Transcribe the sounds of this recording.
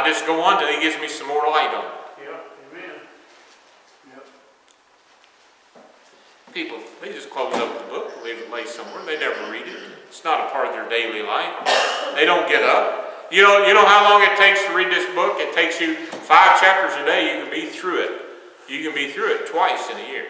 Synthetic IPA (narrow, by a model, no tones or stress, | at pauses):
d͡ʒʌsɡ̥oʊʌ̃ntɨ̃iɡɪvzmisʌ̃mːɔɹaɪɾə̰̃m | n | pʰipl̩ˠðeɪd͡ʒʌskʰl̥oʊzʌpðəbʊk̚ðeɪleɪsʌ̃mwɛɹðeɪnɛvə˞ɹiɾɪt̚ɪtsnəɾəpʰɑɹɾʌvðə˞deɪlila̰ɪfðeɪɾõʊ̃nɡ̥ɛɾʌp̚ | jɨnoʊjɨɾõʊ̃nhaʊlɔ̃ŋɨtʰeɪkstʰɨɹid̪̚ðɪsb̥ʊkɨtʰeɪksjɨfaɪv̥t͡ʃʰæp̚tə˞zɨdeɪjɨkɨ̃n̩biθɹʉɪt̚ | jɨkɨ̃nbiθɹʉɨtʰw̥aɪsɨ̃nɨjɪɹ